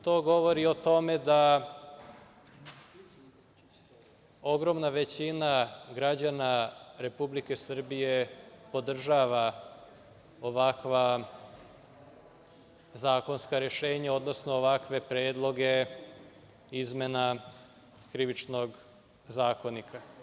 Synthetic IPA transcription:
t̪o̞ːɡo̞ʋo̞ɾio̞t̪o̞me̞d̪a | o̞ɡɾo̞mnaʋet͡ɕinaɡɾad͡ʑanaɾe̞publike̞sr̩bije̞po̞d̪r̩ʒaʋa | oʋakʋa | zaːko̞nskaɾeʃeːɲao̞d̪no̞snoːʋakʋe̞pɾeːd̪lˠo̞ɡe̞ | izme̞na | kɾiʋit͡ʃno̞ɡ | zaːko̞nikʰa

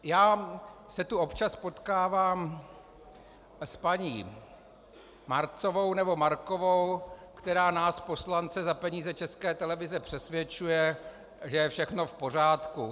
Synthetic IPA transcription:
jaːsɛt̪uo̞pt͡ʃaspo̞t̪kaːvaːm | spaɲiː | maɾt͡sovo̞wnɛbo̞maɾko̞vowkt̪ɛɾaːnaːspo̞slant͡sɛzapɛɲiːzɛt͡ʃɛskɛːt̪ɛlɛvɪzɛpr̝̥ɛsvjɛt͡ʃujɛ | ʒɛjɛfʃɛxno̞fpo̞r̝aːt̪ku

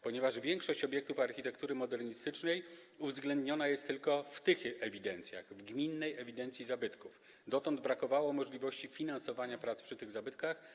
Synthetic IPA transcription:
pɔɲɛvaʐvʲjɛŋkʂɔɕt͡ɕɔbʲjɛk̚t̪ufaɾxʲit̪ɛkt̪uɾɘmɔd̪ɛɾɲist̪ɘt͡ʂnɛj | uvzɡlɛnd̪ɲɔnajɛst̪ːɘlkɔft̪ɘxɛvʲid̪ɛnt̪sʲja̰ɣvɡmʲinːɛjɛvʲid̪ɛnt̪sʲizabɘt̪kuf | d̪ɔt̪ɔnd̪bɾakɔvawɔmɔʐlʲivɔɕt͡ɕifʲinansɔvaɲapɾat̪spʂɘt̪ɘɣzabɘt̪kax

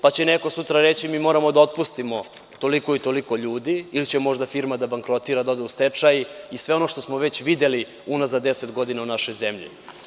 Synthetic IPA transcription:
pat͡ɕeneko̞sut̪ɾaɾe̞t͡ɕimiːmo̞ːɾamo̞d̪ao̞t̪̚pust̪imo̞ | t̪o̞liko̞it̪o̞liko̞ʎuːd̪iilit͡ɕemo̞ʒd̪afiɾmad̪abaŋkɾo̞t̪iːɾad̪o̞d̪eust̪e̞t͡ʂajiisʋe̞o̞no̞ʃt̪o̞smoʋet͡ɕʋid̪e̞li | unazad̪e̞set̪ɡo̞d̪inaunaʃo̞jze̞mʎḭ

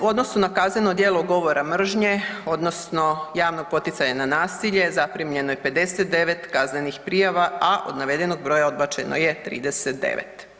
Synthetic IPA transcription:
o̞d̪no̞snunakazne̞no̞d̪jeːlˠoɡo̞ʋo̞ɾamr̩ʒɲe̞o̞d̪no̞sno̞jaːʋnoɡ̚po̞t̪it̪saɲananaːsiʎe̞zapɾimʎe̞nojepe̞d̪e̞set̪̚d̪e̞ʋe̞t̪kaznenixpɾijaʋaaʔo̞̰d̪naʋe̞d̪e̞no̞ɡ̚bɾo̞jao̞d̪̚bat͡ʃeno̰jet̪ɾḭːd̪eset̪̚d̪ḛʋḛt̪

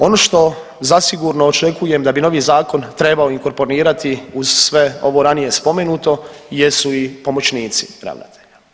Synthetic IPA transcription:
o̞no̞ʃt̪o̞ | zasiɡuɾnoːt͡ʃe̞kuje̞md̪abino̞ʋiːzaːko̞nt̪ɾe̞baoiŋko̞ɾpo̞ɾiːɾat̪iuz̥sʋe̞o̞̰ʋo̞ɾanije̞spo̞me̞nuːt̪o̞je̞suipo̞mo̞t͡ʃniːt̪si̥pɾa̰ʋna̰t̪ʰeʎa

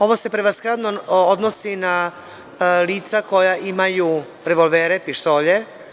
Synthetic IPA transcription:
o̞ʋose̞pɾeʋasxɾad̪nood̪nosina | liːt̪sako̞jaʔimaju | ɾeʋo̞lʋeːɾepiʃt̪o̞ːʎe̞

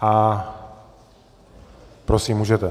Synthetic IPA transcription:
a | pɾosimːuːʒɛt̪ɛ

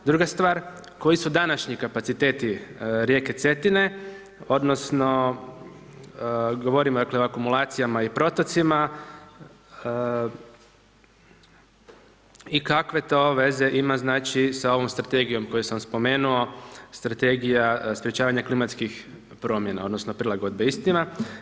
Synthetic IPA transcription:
d̪ɾuːɡast̪ʋaːɾ | ko̞jisud̪anaʃɲikapat̪sit̪e̞t̪iɾje̞ːket̪se̞t̪ine̞ | o̞d̪no̞sno̞ | ɡo̞ʋo̞ɾimod̪aːkleoakumulˠaːt̪sijamaipɾo̞t̪ot̪sima | ikakʋe̞t̪o̞ʋe̞ze̞ʔimaznaːt͡ʃisao̞ʋo̞mst̪ɾat̪e̞ɡijo̞mko̞jusamspo̞me̞ːnuo̞st̪ɾat̪e̞ɡijaspɾjet͡ɕaːʋaɲaklimat̪skix | pɾo̞mje̞na̰o̞d̪nosnopɾilˠaɡo̞d̪̚beist̪ima

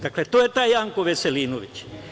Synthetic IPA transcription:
d̪aklet̪ojet̪aːjaŋkoʋeseliːnoʋit͡ʃ

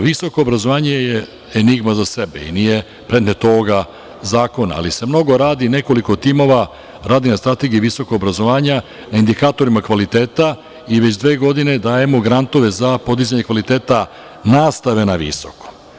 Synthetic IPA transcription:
ʋiso̞ko̞ːbɾazo̞ʋaːɲeje | eniɡmazasebḛḭnije̞ | pɾed̪net̪oːɡa | zaːko̞na̰a̰lise̞mno̞ɡo̞ɾaːd̪ine̞ko̞liko̞t̪imo̞ʋa | ɾaːd̪inast̪ɾat̪e̞ɡiiʋiso̞koɡobɾazo̞ʋaːɲa | naind̪ikaːt̪o̞ɾimakʋalit̪e̞ːt̪a | iʋet͡ɕd̪ʋeːɡo̞d̪ine̞d̪aːje̞mo̞ɡɾant̪o̞ʋe̞zapo̞d̪izaɲe̞kʋalit̪e̞ːt̪a | naːst̪aʋe̞naʋḭso̞ko̥

